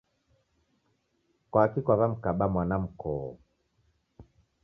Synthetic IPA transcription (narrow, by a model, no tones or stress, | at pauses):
kwakikwaβam̩kaɓamwanam̩kɔɔ̰